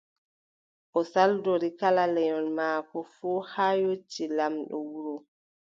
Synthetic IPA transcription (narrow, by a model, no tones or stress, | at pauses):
ʔɔsaldɔɾikalalɛjɔnmaːkɔfuːhaːjot͡ʃːilamɗɔwuɾɔ